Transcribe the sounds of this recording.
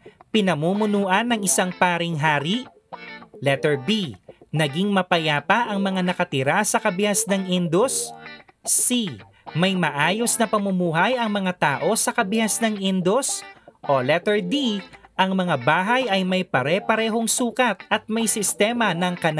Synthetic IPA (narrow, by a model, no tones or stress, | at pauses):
pɪnɐmuːmʊnuːʔɐnːɐŋɪsaŋpaːɾɪŋɦaːɾiʔ | lɛt̪ɛɹbinɐɡiŋmɐpɐjaːpɐʔɐŋmɐŋanɐkɐt̪ɪɾasɐkɐbɪhasnɐŋʔind̪osː | i | mɐjmɐʔaːjo̞snɐpɐmʊmuːɦɐjɐŋmɐŋat̪aːʔo̞sɐkɐbɪhasnɐŋʔind̪osʔolɛt̪ɛɹd̪iʔɐŋmɐŋabaːɦɐjʔɐjmɐjpɐɾɛːpɐɾɛːɦo̞ŋsuːkɐt̪̚ʔɐt̪̚mɐjsɪst̪ɛːmɐnɐŋkɐna